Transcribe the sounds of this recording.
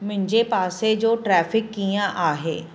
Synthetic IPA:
mɪ̃ɲd͡ʒepaːsed͡ʒoːʈɾɛːfʰɪkːijãʔaːɦeː

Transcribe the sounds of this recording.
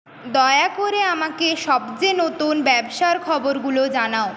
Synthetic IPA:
d̪ɔeakoɾeamakeʃɔbd͡ʑenot̪unbɛbʃaɾkʰɔboɾɡulod͡ʑanao

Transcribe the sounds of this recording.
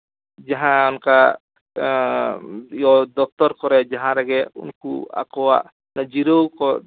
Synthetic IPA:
d͡ʒaɦãɔnka | ijɔd̪ɔk̚t̪ɔɾkɔɾɛd͡ʒaɦãɾɛɡɛṵnkua̰kɔwa̰ʔ | nad͡ʒiɾɔwkɔ

